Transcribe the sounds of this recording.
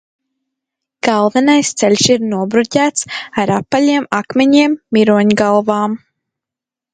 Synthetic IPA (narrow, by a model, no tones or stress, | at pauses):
ɡ̥alˠvɛnajst̪sɛlʲʃiɾnuɔbɾut̪ʲæːt̪saɾapːalʲiɛmakmeɲiɛmːiɾuɔɲɡalˠvaːm